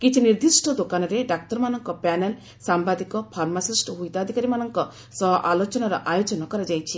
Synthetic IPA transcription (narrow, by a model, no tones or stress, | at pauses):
kit͡ʃʰiniɾd̪isʈʰɔd̪okanɔɾeɖak̚t̪ɔɾmanɔŋkɔpɛnel | sambad̪ikɔpʰaɾmasisʈɦujt̪ad̪ʱikaɾimanɔŋkɔ | sɔɦɔʔalot͡ʃɔnaɾɔ̰ʔajot͡ʃɔnɔkɔɾad͡ʒajt͡ʃʰi